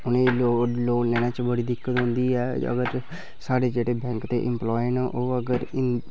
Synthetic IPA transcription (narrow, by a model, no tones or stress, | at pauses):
ʊneːloloːlɛːnãːt͡ʃbəɽiːd̪ɪkːət̪ɦʊ̃nd̪iːɛːə̰ɡəɾ | saːɽeːd͡ʒeːɽeːbɛ̃ːŋkt̪ḛːʔɪ̰mplɔːjənːʔoːəɡəɾɪ